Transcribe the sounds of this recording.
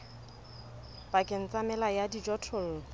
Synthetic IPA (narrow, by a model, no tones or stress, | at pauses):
pʼakʼɪn̩t͡sʼamɛlajadid͡ʒɔtʰɔl̩ː